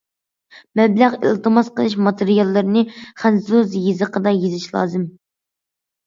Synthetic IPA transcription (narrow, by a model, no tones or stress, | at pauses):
mɛblæʁḭlˠt̪ɨmɑsqəlˠɪʃ̬mɑt̪ʰɨɾijɑlˠːɨɾɨnɨχɛnsuzjezɨqʰəd̪ɑjezɪʃlˠɑ̰ːzɨm